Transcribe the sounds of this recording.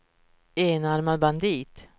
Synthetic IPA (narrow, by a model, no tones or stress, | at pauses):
eːnaɾmad̪̚band̪iːt̪